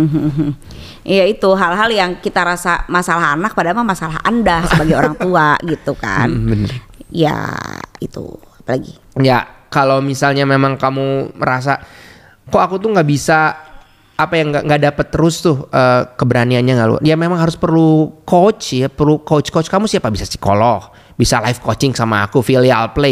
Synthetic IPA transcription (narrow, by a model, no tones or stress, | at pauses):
m̩ɦɦ̩ | jait̪uɦalɦaljaŋkit̪aɾasamasalaɦanak̚padamamasalaɦa̰ndasəbaɡajoɾaŋt̪uaɡit̪uka̰nbənərja̰it̪ṵ | apalaɡḭ | jakalowmisalɲamemaŋkamuməɾas̬a | koakut̪ʊŋɡaʔbisa | apajaŋɡaŋɡadapət̪ːəɾʊst̪ʊhʔəːkəbəɾanianɲaŋalṵjamemaŋɦaɾʊspərlukot͡ʃjapərlukot͡ʃkot͡ʃkamusiapabisasi̥ko̰lɔh | bisalafkot͡ʃɪŋsama̰ːkufilialple